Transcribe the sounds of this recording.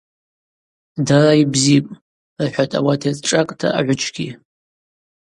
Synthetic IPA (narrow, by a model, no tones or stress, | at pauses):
daraibzipʼ | rħʷᶣatʼa̰watʰet͡sʼʈ͡ʂʼakʼtʰa̰ʔa̰ʕʷʊt͡ʃʼʰɡʲi